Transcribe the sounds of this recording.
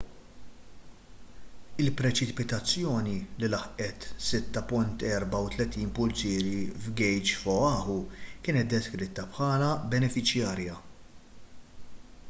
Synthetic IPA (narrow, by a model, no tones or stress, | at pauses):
ɪlpɾɛt͡ʃɪpɪt̪ɐt͡sːjɔːnilɪlɐħʔɛt̪sɪt̪ːɐpʊnt̪ɛːɾbɐwt̪lɛt̪iːnpʊlt͡ʃiːɾivɡɛjd͡ʒfɔɐːhukɪːnɛt̪̚d̪ɛskɾɪt̪ːɐpħɐːlɐbɛnɛfɪt͡ʃjɐːɾjɐ